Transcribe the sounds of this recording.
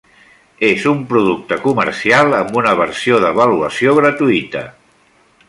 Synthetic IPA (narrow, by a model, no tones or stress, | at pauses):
ezumpɾuðuk̚t̪əkumə̰ɾsialˠəmbunəβ̞əɾsioðəβəluəsioɣ̞ɾət̪uit̪ə̰